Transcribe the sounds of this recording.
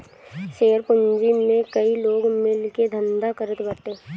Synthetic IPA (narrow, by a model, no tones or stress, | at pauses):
ʃeːɾpʊɲd͡ʒimẽkɐiloːɡmẽlɪked̪ʱə̃nd̪akəɾət̪bɐt̪ẽː